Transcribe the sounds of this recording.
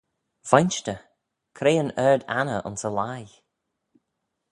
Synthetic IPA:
vɔjnt͡ʃtə | kʰɾeːənɛɹd̪a̰nəʔʊ̰nsəlaj

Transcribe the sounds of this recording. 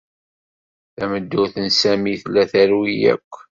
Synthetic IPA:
θæməd̪ːʊθənsæmiθlːæθæɾwijæ̰kʷː

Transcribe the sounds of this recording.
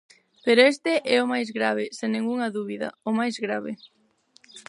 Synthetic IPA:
peɾoest̪ɪʔɛʊmajzɣɾaβ̞ɪseŋneŋuŋɐðuβiðɐ̰ʊmajzɣɾaβɪ̰

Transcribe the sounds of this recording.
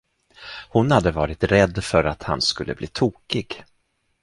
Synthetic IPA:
hʊnhad̪ːəvɑːɾɪt̪ɾɛd̪ːfœɾat̪ha̰nskɵlːə̰bliːt̪ʰuːkɪɡ

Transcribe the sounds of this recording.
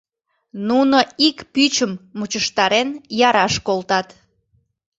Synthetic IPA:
nunoikpyt͡ɕəmːut͡ɕəʃt̪ɑɾenjɑɾɑʃkolt̪ɑt̪

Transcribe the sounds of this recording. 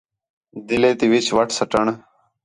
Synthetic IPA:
d̪ileːt̪iʋit͡ɕʋɐʈʰsɐʈəɳ

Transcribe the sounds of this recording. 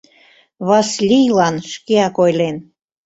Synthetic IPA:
βɑslʲijlɑnʃkeɑkojlen

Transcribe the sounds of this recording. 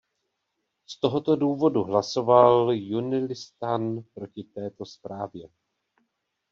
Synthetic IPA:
st̪o̞ɦo̞t̪o̞duːvo̞duɦlaso̞valjunɪlɪst̪anpɾo̞cɪt̪ɛːt̪o̞spɾaːvjɛ

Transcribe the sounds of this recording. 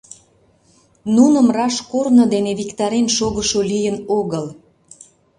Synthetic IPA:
nunəmrɑʃkornod̪eneβikt̪ɑɾenʃoɣəʃolijənoɣəl

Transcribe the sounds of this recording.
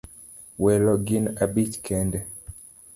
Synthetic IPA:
wɛlɔɡinabitkʰɛndɛ

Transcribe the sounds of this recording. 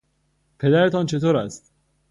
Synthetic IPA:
pʰe̞d̪æɾet̪ʰɒːnt͡ʃʰe̞t̪ʰoːɾæst̪

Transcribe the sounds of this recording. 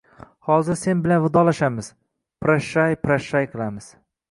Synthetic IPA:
hɒzɪɾse̞nbɪlanvɪd̪ɒlaʃamɪz̥ | pɾaʃajpɾaʃajqʰɨlˠamɪz̥

